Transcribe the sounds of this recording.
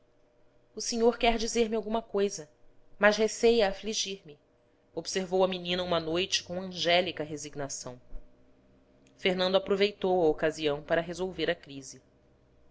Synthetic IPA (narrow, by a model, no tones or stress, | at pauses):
ʊseɲoɾkɛɾd͡ʒizeɾmiawɡũmɐkojzɐ | mɐʃɦesejɐːfliʒiɾmɪ | obseɾvowɐminĩnɐũmɐnojt͡ʃɪ̥kõw̃ɐ̃ʒɛlikɐɦeziɡnasɐ̰̃w̃ | feɾnɐ̃nd̪apɾovejt̪owɐokaziɐ̃w̃paɾɐɦezowveɾɐkɾizɪ